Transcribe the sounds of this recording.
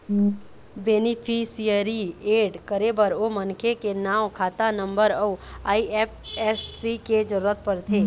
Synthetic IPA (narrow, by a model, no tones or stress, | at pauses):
beːnipʰisijəɾieːɖkəɾebəɾomənkʰekenaːʋkʰaːt̪anə̃mbəɾəuaːiepʰɛsːiked͡ʒəɾuɾət̪̚pəɾt̪ʰeː